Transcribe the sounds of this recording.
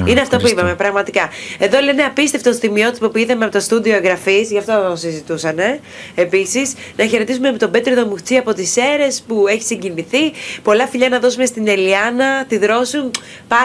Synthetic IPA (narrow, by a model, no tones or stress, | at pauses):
ineɐft̪opuipɐme̞pɾɐɣmɐt̪ikɐe̞ðo̞le̞ne̞ɐpist̪eft̪osθimio̞t̪ipopuiθɐmeɐpot̪ost̪uðio̞eŋɡɾɐfizʝɐft̪osizit̪usɐne̞ | episisnɐçe̞ɾe̞t̪isumept̪obet̪ɾiðo̞muxt͡siɐpo̞t̪ise̞ɾe̞spue̞çi̥siɲɟiniθipo̞lɐfiʎɐnɐðo̞sume̞st̪ine̞liɐnɐt̪iðɾo̞sun | pɐ